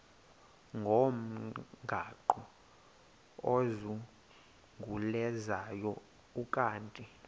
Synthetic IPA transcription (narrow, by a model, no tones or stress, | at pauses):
ŋɡʱom̩ɡʱaǃɔ | ozu | ŋɡʱulɛzajɔ | ukʼaːntʼi